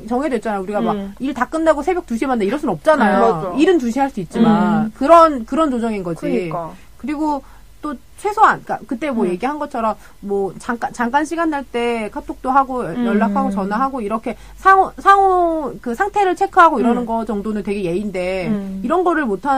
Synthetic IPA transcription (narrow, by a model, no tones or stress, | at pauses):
t͡ɕʌŋɦedwet͡ɕ͈anajouɾiɡamaɡ̚iɭtak͈ɯndaɡosʰebjʌk̚tuɕʰimandeiɾʌɭs͈uɯnʌp̚t͡ɕ͈anajoiɾɯntuɕʰiɦaɭs͈uit̚t͡ɕ͈imankɯɾʌnkɯɾʌnt͡ɕod͡ʑʌŋinɡʌd͡ʑi | kɯɾiɡo | t͈o | t͡ɕʰwe̞sʰoank͈akɯt͈e̞mwʌje̞ɡiɦanɡʌt͡ɕʰʌɾʌmː | wʌt͡ɕaŋk͈at͡ɕaŋk͈anɕʰiɡandaɭt͈e̞kʰatʰok̚t͈oɦaɡojʌɭːakʰaɡot͡ɕʌnaɦaɡoiɾʌkʰe̞ | sʰaŋosʰaŋokɯsʰaŋtʰe̞ɾɯɭt͡ɕʰe̞kʰɯɦaɡoiɾʌnɯnɡʌt͡ɕʌŋdonɯntwe̞ɡe̞je̞inde̞iɾʌnɡʌɾɯɭmotʰa